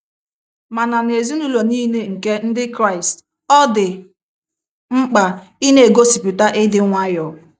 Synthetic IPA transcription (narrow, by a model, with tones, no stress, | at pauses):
ma˨na˨n˨e˨zi˦nu˦lo˨niː˦ne˨ŋ̩˨ke˦n̩˦dɪ˦kɾa˦˨ɪ˨st | ɔ˦dɪ˨ | ŋ͡m̩˦k͡pa˨i˦ne˦e˨ɡo˦si˨pi˨ta˦ʔɪ˦dɪ˦ŋʷa˦jɔ˨